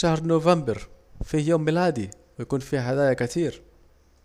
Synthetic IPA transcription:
ʃahɾnovæmbəɾfihjoːmːilæd̪i | wjakuːnfiɦad̪æːjakæt̪iːɾ

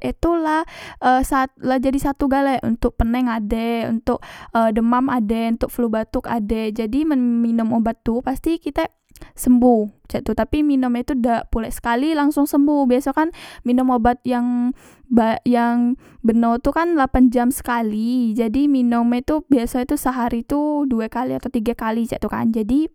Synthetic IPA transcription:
it̪ulahʔəsalad͡ʒadisat̪uɡalɛʔṵnt̪ʊk̚pənɛŋadɛṵnt̪ʊk̚ədəmamadɛunt̪ʊk̚flubat̪ʊka̰dɛd͡ʒadiməminʊmobat̪ːupast̪ikit̪a | səmbuht͡ʃaʔt̪ut̪apiminumɛt̪udapulɛʔsə̥kalilaŋsʊŋsəmbuhbiasakanminʊmobat̪̚jaŋ | bajaŋ | bənowt̪ukanlapand͡ʒamsə̥kalid͡ʒadiminʊmɛt̪ubiasait̪usəɦaɾit̪uduɛkaliat̪awt̪iɡakalit͡ʃa̰ʔt̪uka̰nd͡ʒadi

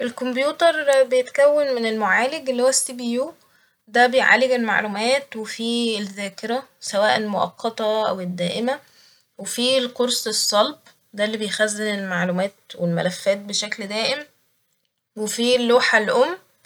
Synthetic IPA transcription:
ʔelkombjuːt̪ɑɾˤbejet̪kæwːænmenelmoʕaːleɡelːihowæsːibijuː | d̪æbejʕa̰leɡelma̰ʕlumæːt̪wefiːelzæːkeɾæsæwæːʔelmoʔɑ̰qʰːɑt̪ˤɑʔæ̰wed̪ːæːʔemæ | wefilqoɾsˤesˤːɑlb̚ | d̪ælːibejxæzːenelmaʕlumæːt̪̚welmæ̰læfːæːt̪̚beʃækld̪æːʔem | wefiːlːoːħalʔomː

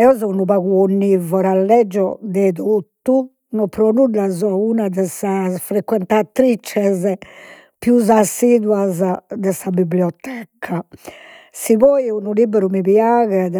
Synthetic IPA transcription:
ɛɔzɔunuβaɣuonːivɔɾalːɛd͡ʒːɔd̪ɛðot̪ːu | nɔpɾonudazɔunaðɛsasfɾekːwɛnt̪at̪ɾit͡ʃːɛz | pjuzasːiːd̪wazad̪ɛsabibljɔt̪ɛkʰːa | siβɔːjunulibɛɾumiβjaɣɛ

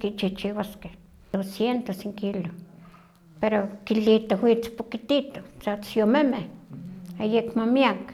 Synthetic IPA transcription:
kit͡ʃiht͡ʃiwaskeh | osjent̪osiŋkilo | peɾokilit̪owit͡spokit̪it̪o̥t͡sat͡sjomemeh | ajekmamiak

